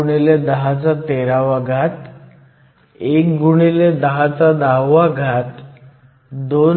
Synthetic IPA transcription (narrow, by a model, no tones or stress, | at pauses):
uɽeled̪əɦat͡sat̪eɾaʋaɡʱat̪ | ekɡuɳ̃iled̪əɦat͡sad̪awːaɡʱat̪ | d̪o